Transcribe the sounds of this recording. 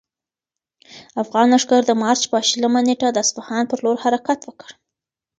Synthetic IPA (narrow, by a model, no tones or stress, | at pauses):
afɣɑnaʂɡaɾd̪əmɑɾt͡ʃpəʃlamaneʈad̪əasfahɑnpəɾloɾhaɾakat̪wəkəɽ